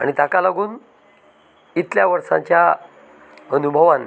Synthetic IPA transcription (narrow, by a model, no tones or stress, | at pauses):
a̰ɽ̃it̪akalaɡuːn | it̪ljaʋəɾsã̰ɲt͡ɕja | ənubʱəʋan